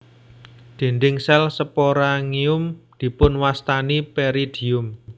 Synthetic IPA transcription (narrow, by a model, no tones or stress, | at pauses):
d̪̥e̤nd̪ɪŋsɛlsəpoɾaŋiʊmd̪̥i̤pʊnwast̪anipeɾid̪̥i̤ʊm